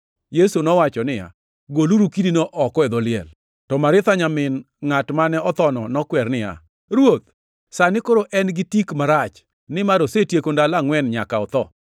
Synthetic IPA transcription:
jesunɔwat͡ʃɔnɪja̰ | ɡoluɾukidinɔʔɔkɛd̪ɔlɪɛ̰l | tɔmaɾɪt̪aɲamɪn | ŋatmanɛɔt̪ɔnɔnɔkwɛrnɪja̰ | ɾwot̪̚ | sanɪkoɾoʔɛnɡɪtikmaɾat͡ʃ | nɪmaɾosetjekondalaŋwɛnɲakaɔt̪ɔ

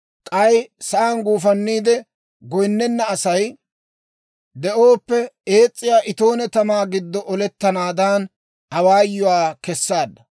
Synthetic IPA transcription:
kʼɐjsɐʔanɡuːfɐnːiːd̪ɛ | ɡɔjnːɛnːɐːsɐj | d̪ɛʔoːpːɛe̞ːt͡sʼːɪjaːʔɪt̪o̞ːnɛt̪ɐmaːɡɪd̪ːɔʔɔlɛt̪ːɐnaːd̪aːn | ɐwaːjːʊwaːkɛsːaːd̪ːɐ

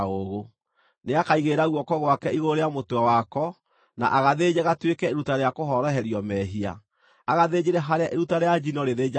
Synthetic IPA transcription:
oɣo | neakaiɣeɾaɣwɔkɔɣwakɛiɣoɾeamotwawakɔ | na̰ʔaɣaðeːd͡ʑɛɣatwekɛeɾutaɾeakoɦɔɾɔɦɛɾiɔmɛɦia̰ | aɣaðed͡ʑeɾɛɦaɾeaʔeɾutaɾejad͡ʑinɔɾeðed͡ʑa

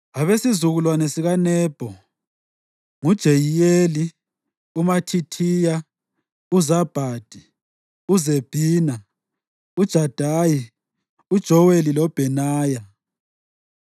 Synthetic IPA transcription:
aβesizuɣulwanɛsiɣanɛːb̥ʱɔ | ŋud̥ʒ̥ʱejijeli | umatʰitʰija | uzab̥ʱad̥ʱi | uzeb̥ʱiːna | ud̥ʒ̥ʱad̥ʱaji | ud̥ʒ̥ʱɔwelilɔb̥ʱɛnaːja

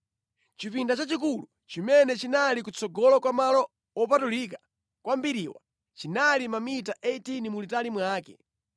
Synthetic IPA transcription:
t͡ʃifindat͡ʃat͡ʃik̬ulu | t͡ʃimɛnɛt͡ʃinalikut͡sʰɔɡɔlɔkwamalɔ | ɔpatulik̬ḁ | kwambiɾiwa̰ | t͡ʃinalimamitaʔeitinimulitalimwaːkɛ̰

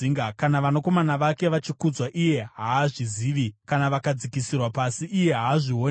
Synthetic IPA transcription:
iŋɡakanaʋanoko̞manaʋake̞ʋat͡ʃikud͡zwaʔije̞ɦaːʐiziːʋikanaʋakad͡zikisirwapasiʔːje̞ɦaːʐion

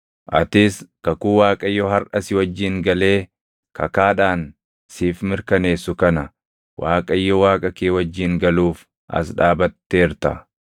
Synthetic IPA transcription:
ʔɐ̰t̪ɪskɐkuːwaːkʼɐɪjːɔɦɐɾʔɐsɪwɐd͡ʒːɪŋɡɐleː | kɐkaːᶑaːn | siːfmɪɾkɐne̞ːsːʊkɐnɐ | waːkʼɐɪjːɔwaːkʼɐkeːwɐd͡ʒːɪŋɡɐluːf | ʔɐ̰s̬ᶑaːbɐt̪ːeːɾt̪ɐ

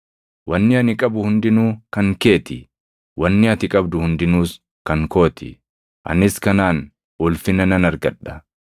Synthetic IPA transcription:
wɐnːɪɐnɪkʼɐbʊhʊnd̪ɪnuːkɐŋke̞ːt̪ɪ | wɐnːɪɐt̪ɪkʼɐbd̪ʊhʊnd̪ɪnuːs | kɐŋko̞ːt̪ʰɪ̰ | ʔɐ̰nɪskɐnaːn | ʊlfɪnɐnɐnɐɾɡɐᶑːɐ

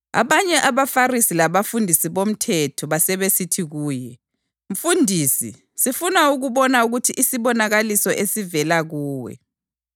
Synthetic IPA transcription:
a̰βaɲɛʔaβafarisilaβafundʱisiβom̩tʰɛtʰɔβasɛβesitʰiɣuːjɛ | ɱ̩fundʱiːsḭ | sifunauɣuβɔnauɣutʰiʔːsiβɔnaɣalisɔʔesivɛlaɣuːwɛ̰

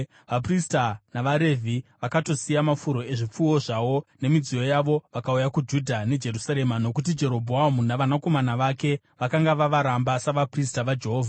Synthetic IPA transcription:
ʋapristanaʋaɾe̞vʱiʋakato̞sijamafuɾo̞e̞ʐip͡fuo̞ʐawo̞ne̞mid͡zijo̞jaʋo̞ʋakaujakud͡ʒudʱane̞d͡ʒe̞ɾusaɾe̞mano̞kut̬id͡ʒe̞ɾo̞bʱoamunaʋanako̞manaʋake̞ | ʋakaŋɡaʋaʋaɾambasaʋapristaʋad͡ʒe̞ɦoːvʱa

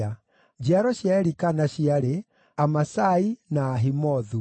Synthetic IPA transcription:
a | d͡ʒiaɾɔɕjaɛɾikanaɕiaɾe | amasainaːɦimɔðu

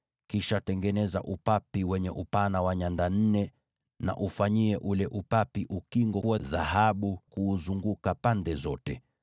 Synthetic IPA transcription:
kiʃatɛŋɡɛnɛza̰ʔupapiwɛɲɛʔupanawaɲandan̩nɛ | na̰ʔufaɲiɛʔulɛʔupapiʔukiŋɡɔwaðaɦaɓukuːzuŋɡukapandɛzɔtɛ

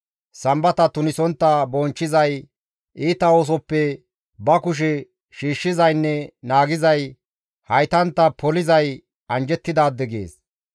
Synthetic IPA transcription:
sɐmbɐt̪ɐt̪ʊnɪsɔnt̪ːɐbɔnt͡ʃːɪzɐj | ʔiːt̪ɐoːs̬ɔpːɛ | bɐkʊʃ̬ɛ | ʃiːʃːɪzɐjnːɛnaːɡɪzɐj | hɐjt̪ɐnt̪ːɐpʰɔlɪzɐj | ɐnd͡ʒɛt̪ːɪd̪aːd̪ːɛɡḛːs

